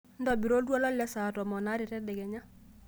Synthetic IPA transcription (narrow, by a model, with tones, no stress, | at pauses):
n̩˦dɔ˨bi˨ɾo˦ltwɔ˦la˦llɛ˦sa˨tɔ˨mɔ˨na˦ɾɪ˨tɛ˦dɛ˨ɡɛ˨ɲa˦